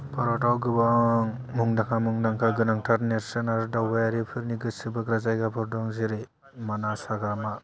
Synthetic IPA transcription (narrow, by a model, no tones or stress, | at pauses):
pʰaɾɔtawɡɯbaŋmuŋdakʰamuŋdaŋkʰaɡɯnaŋtʰaɾneɾsenaɾdawbajaɾipʰɯɾniɡɯsɯbɯɡɾazajɡapʰɯɾdɔŋziɾɯ | manasaɡɾama